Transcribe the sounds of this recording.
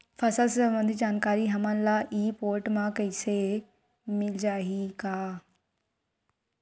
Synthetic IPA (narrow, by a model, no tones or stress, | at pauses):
fɐsəlsɐ̃mbə̃nd̪ʱid͡ʒaːnkaːɾiɦɐmãnlaʔiːpoːɾʈmãkɐɪse | mɪld͡ʒaːɦikaː